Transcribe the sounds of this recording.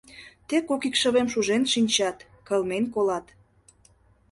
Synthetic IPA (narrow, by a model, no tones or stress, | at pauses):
t̪ekokikʃə̆βemʃuʒenʃinʲt͡ɕɑt̪ | kəlmenkolɑt̪